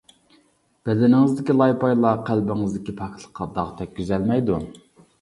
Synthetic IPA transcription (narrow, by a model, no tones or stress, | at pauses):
b̥ɛd̪ɛnɪŋɨzd̪ɪkʲilˠɑjpɑjlˠɑqʰælbɪŋɨzd̪ɪkʲipʰɑk̚ʰʲt̪ʰlˠə̥qʰːɑd̪ɑʁt̪ʰɛk̚ʲkʲyzɛlmɛjd̪u